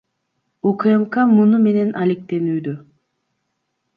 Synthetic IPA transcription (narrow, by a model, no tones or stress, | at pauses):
ukemkamunume̞ne̞nʔalʲek̚t̪e̞nyːd̪y